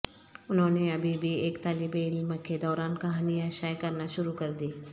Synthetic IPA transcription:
ʊnɦõːneɐbʱibʱieːkt̪aːlibeːɽimɐkʰːed̪ɔːɾaːnkɐɦaːniaːʃaːjkɐɾnaʃʊɾukɐɾd̪iː

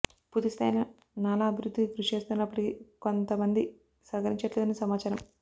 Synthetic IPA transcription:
put̪ist̪ʰɐ̰jnɐ | naːlaːɐbʱiɾud̪ːikiɡɾuʂeːst̪unːaːɐpːuʈikikont̪ɐmɐnd̪i | sɐkɐɾiɲt͡ʃɐʈleːd̪ɐneːsɐmaːt͡ʃaːɾɐm

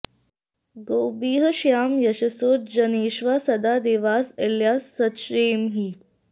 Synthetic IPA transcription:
ɡoːbiːɦəʃjaːmjɐʃɐsoːd͡ʒɐneːʃʋaːsɐd̪aːd̪eːʋaːseljaːsːɐtʃɾeːmɦiː

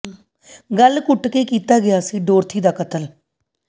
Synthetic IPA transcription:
ɡəlkʊʈkeːkiːt̪aːɡɪjaːsiːɖoːɾt̪ʰiːd̪aːkət̪əl

